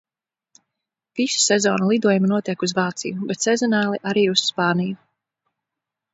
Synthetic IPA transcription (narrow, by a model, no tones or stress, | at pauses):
visu̥sɛzɔ̰ːnulˠid̪uɔjumanuɔt̪iɛkuzvɑːt̪sḭjubɛt̪sɛzɔnaːlˠiʔaɾiːusspaːniju